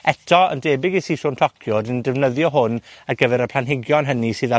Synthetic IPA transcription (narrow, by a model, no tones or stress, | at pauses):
ɛtʰɔə̰ndeːbɪɡisiːsʊːntʰɔkʰjʊdindɛvnəðjɔɦʊnaɡəvɛɾəpʰl̥ˠanɦɪɡjɔnɦənisɨːða